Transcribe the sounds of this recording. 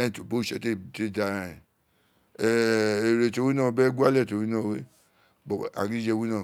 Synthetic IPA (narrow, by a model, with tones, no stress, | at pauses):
ɛ̃˦˨to˨bo˦˨ʃɛ˨te˦˨te˦˨da˧˨ĩ˨ | ɛ˦˨e˨ɾe˨to˧˦wi˦nãː˦˨˧bɛ˦ɡu˦a˦lɛ˦˨to˨˦wi˦nã˦˨we˦ | bɔ˨a̰˨ɡi˨˦d͡ʒɛ˧wi˦nã˦˨